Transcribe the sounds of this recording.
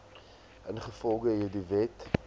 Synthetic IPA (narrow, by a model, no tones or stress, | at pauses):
ʔənχəfɔlˠɡəɦiːdivɛt